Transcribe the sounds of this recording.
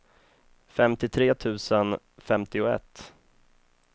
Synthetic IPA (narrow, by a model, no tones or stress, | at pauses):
fɛmt̪ɪt̪ʰɾeːt̪ʰʉ̟ːsən | fɛmt̪ɪʊɛ̰t̪ː